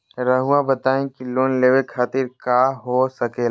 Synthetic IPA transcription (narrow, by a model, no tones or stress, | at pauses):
ɾəɦʊabɐt̪aːẽkiloːnleːwekʰaːt̪ɪɾkaːɦosɐke